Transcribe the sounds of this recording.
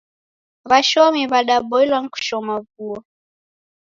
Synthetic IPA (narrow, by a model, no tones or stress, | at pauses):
βaʃɔmiβaɗaɓɔilwaŋ̩ku̥ʃɔmavuɔ